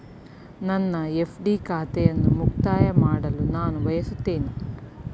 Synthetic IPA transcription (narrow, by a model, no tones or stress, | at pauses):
nɐnːɐepʰɖiːkʰaːt̪ɛjɐnːumukt̪aːjɐmaːɽɐlunaːnuʋɐjɐsut̪ːeːni